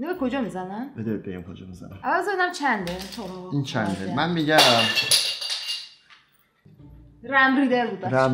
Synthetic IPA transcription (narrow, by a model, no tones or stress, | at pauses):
inɔbekʰod͡ʒɒːmizænænbed̪ebejæmkʰod͡ʒɒ̰mizæ̰næʔævæzeenæmt͡ʃʰænd̪et̪ʰoɾint͡ʃʰænd̪emænmiɟæ | ræmɾiːd̪eɾbuːd̪æɾæm